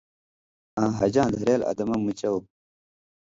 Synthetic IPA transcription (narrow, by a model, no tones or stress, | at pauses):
ãːɦɐd͡ʑãːd̪ʱɐɾeːlɐ̰d̪ɐmɐmːut͡ɕɐw